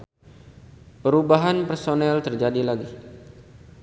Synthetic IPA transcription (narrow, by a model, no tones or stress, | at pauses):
pəɾubaɦanpərsonɛlt̪ərd͡ʒadilaɡi